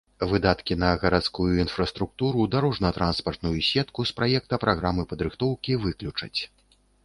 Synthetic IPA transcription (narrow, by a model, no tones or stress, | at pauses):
vɨd̪at̪kʲinɐɣɐɾat̪skujuinfɾɐst̪ɾuk̚t̪uɾud̪aɾɔʐnɐt̪ɾʔanspɐrt̪nujusʲɛt̪kuspɾajɛk̚t̪ɐpɾʔaɣɾamɨpɐd̪ɾɨxt̪ɔwkʲivɨklʲut͡ʂɐ̰t͡sʲ